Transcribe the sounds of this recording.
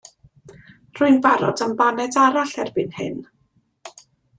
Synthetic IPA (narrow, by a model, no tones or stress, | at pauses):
r̥ʊɨnbaɾɔ̰dəmbanɛdaɾaɬɛrbɨnhɨ̰n